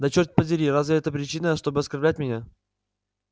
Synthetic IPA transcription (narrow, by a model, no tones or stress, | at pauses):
d̪ɐt͡ɕort̚ʲpədʲɪɾʲiɾazvʲɪɛt̪əpɾʲɪt͡ɕinəʂt̪o̞bɨɐskɐrblʲæt̚ʲmʲɪnʲa